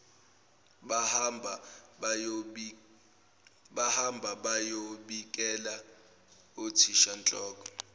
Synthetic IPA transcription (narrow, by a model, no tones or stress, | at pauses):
ɓahambʱaɓajoɓik̬ʼɛla | otʰiʃant͡ɬʼɔːk̬ʼɔ̥